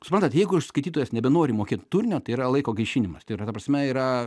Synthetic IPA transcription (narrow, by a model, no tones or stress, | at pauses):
sʊpɾɐnt̪ɐt̪jɛɪɡʊɪʃskɐɪt̪ʲiːt̪oːjɛsnʲɛbʲɛnoːɾʲɪmoːkʲeːt̪t̪ʊɾʲnʲoːt̪ɐɪiːɾɐlˠɐɪkoːɡɐɪʃʲiːnʲɪmɐst̪ɐɪɾɐt̪ɐpɾɐsʲmʲɛiːɾɐ